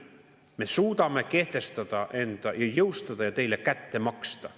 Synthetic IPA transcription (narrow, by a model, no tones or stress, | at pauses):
mesuːt̪ɑmːekeht̪est̪ɑt̪ɑʔent̪æjɑjeust̪ɑt̪ɑjɑt̪eilːekæt̪ːemɑkst̪ɑ